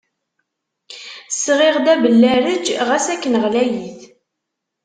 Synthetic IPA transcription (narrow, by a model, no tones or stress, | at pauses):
sːʁɪʁd̪æbəlːæɾəd͡ʒʁæsækːənəʁlæjiθ